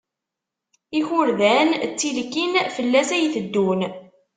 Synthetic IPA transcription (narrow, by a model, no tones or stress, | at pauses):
içʊɾðænt͡sːilkːinfəlːæsæjθəd̪ːun